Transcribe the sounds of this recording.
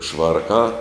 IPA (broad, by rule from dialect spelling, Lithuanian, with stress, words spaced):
ˈʃʋɐrkɑː